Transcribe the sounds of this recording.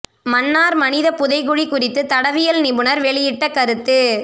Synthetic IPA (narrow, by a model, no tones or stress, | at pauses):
mɐnːaːɾmɐnɪðɐpːʊðɐɪɣʊɻikʊrɪt̪ːɯt̪ɐɽɐʋɪjɐlnɪbɯnɐɾʋɛɭɪjɪʈːɐkːɐɾɯt̪ːɯ